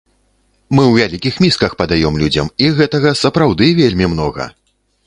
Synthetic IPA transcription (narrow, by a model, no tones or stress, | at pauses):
mɨwvʲalʲikʲixmʲiskɐxpɐd̪ajɔmlʲud͡zʲɐ̰miɣɛt̪ɐɣɐsɐpɾawd̪ɨvʲelʲmʲimn̪ɔɣɐ̰